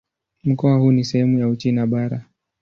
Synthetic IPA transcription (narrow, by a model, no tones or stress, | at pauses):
m̩kɔahuːnisɛhɛmujaut͡ʃinaɓaɾa